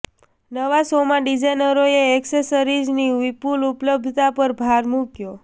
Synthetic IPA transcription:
nəʋasomãɖid͡ʒajnəɾoeːksesəɾid͡ʒniʋipulupləb̚d̪ʱt̪apəɾbʱaɾmukjo

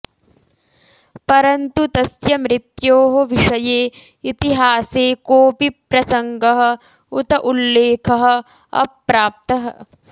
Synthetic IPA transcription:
pɐɾɐnt̪ut̪ɐsjɐmɾit̪joːɦoʋiʂɐjeː | it̪iɦaːseːkoːpipɾɐsɐŋɡɐɦɐ̆ | ut̪ɐʔulːeːkʰɐɦɐ̆ | ɐ̰pɾaːp̚t̪ɐɦɐ̰̆

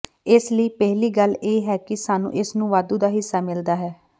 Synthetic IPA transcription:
ɪsləiːpɛɦliːɡəleːɦɛːkɪsaːnṵ̃ːʔɪsnũːʋaːd̪ũːd̪aːɦɪsːaːmɪld̪aːɦɛː

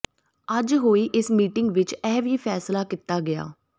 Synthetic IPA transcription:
əd͡ʒɦoːiːʔɪsmiːʈɪŋɡʋɪt͡ʃɛːʋiːpʰɛːslaːkɪt̪ːaːɡɪja̰ː

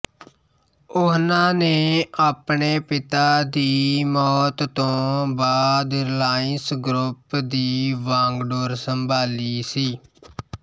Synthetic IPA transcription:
ʊɦnãːneːaːpɳeːpɪt̪aːd̪iːmɔːt̪ːõːbaːd̪laːɪnsɡɾʊpd̪iːʋãːŋɡɖoːɾsəmbʱaːliːsiː

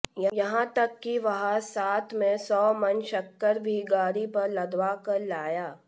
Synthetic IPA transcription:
jɐjɐɦãt̪ɐkːiʋɐɦasaːt̪ʰmẽsɔːmɐnʃɐkːəɾbʱiɡaːɾipɐɾlɐd̪ʋaːkɐɾlaːjaː

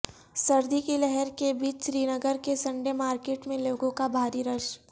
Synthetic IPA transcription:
sɐɾd̪ʱikilɛɦɛɾkebiːt͡ʃʃɾiːnəɡəɾkesɐ̃ɳɖemaːɾkeːʈmẽloːɡõkabʱaːɾiɾəʃ

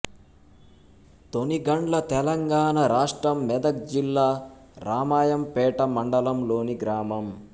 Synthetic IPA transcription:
t̪oniɡɐɳʈlɐt̪ɛlɐŋɡaːɳɐɾaːʂʈɾɐmːɛd̪ɐk̚d͡ʒilːaː | ɾaːmaːjɐmpɛːʈɐmɐɳɖɐlɐmlo̞ːniɡɾaːmɐm

